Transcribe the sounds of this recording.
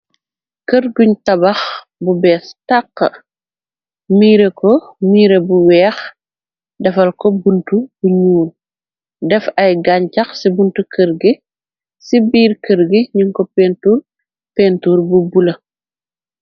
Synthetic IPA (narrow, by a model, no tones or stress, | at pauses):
kəɾɡuɲtɐbɐx | bubɛːstaqːə̰ | miːɾekɔmiːɾebuwɛːx | dɐfɐlkɔbuntubuɲuːl | dɛfɐjɡaɲcɐxsibuntukʰəɾɡi | sibiːrkəɾɡiɲiŋkɔpɛntuːr | pɛntuːrbubulɐ